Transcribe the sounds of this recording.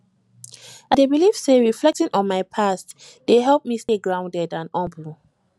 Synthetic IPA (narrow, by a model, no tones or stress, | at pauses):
adebilifseɹiflɛk̚tĩnʔɔ̃nmaɪpʰast | d̥eɦɛlˠp̚misteɡɹãʊ̃ndɛdãnɔ̃mblu